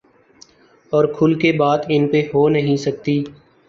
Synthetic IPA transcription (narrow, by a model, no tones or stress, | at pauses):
ɔːɾkʰʊlkebaːd̪ɪnpeɦoːnəɦĩsək̚t̪iː